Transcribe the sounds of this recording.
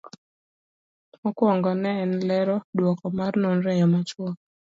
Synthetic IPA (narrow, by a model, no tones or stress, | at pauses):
ɔkwɔŋɡɔnɛːnlɛɾɔdwɔkɔmarnonɾɛjɔmat͡ʃwɔ